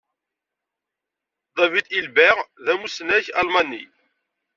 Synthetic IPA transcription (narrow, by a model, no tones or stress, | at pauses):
ðˤɑvit̪ilbæʁðæmusnæçɑ̰lmɑnːḭ